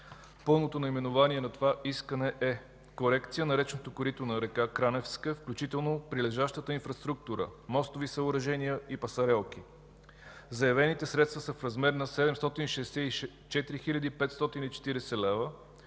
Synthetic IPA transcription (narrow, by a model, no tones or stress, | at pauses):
pɤlˠnot̪onɐimɛnʊvaniɛnɐt̪ovaʔiskənɛʔɛ | koɾɛkt̪sijənɐɾɛt͡ʃnot̪okʊɾit̪onɐɾɛkakɾanɛfskəfklʲut͡ʃit̪ɛlˠnopɾilɛʒaʃt̪ət̪əinfɾɐst̪ɾuk̚t̪uɾə̰mɔst̪ovisəʊɾɐʒɛnijəipɐsɐɾɛlˠk̟i | zɐjɐvɛnit̪ɛsɾɛt̪st̪vəsəfɾɐzmɛɾnɐsɛd̪ɛmst̪ɔt̪inʃɛsɛi | t͡ʃɛt̪iɾixilʲəd̪iːpɛt̪st̪ɔt̪init͡ʃɛ̥t̪iɾɛsɛlɛvə